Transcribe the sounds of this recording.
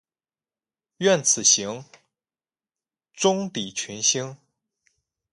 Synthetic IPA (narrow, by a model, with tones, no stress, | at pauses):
ɥɛ˥˩nt͡sʰɹ̩˨˩ɕi˧˥ŋ | ʈ͡ʂʊ˥ŋt̪i˨˩t͡ɕʰy˧˥nɕi˥ŋ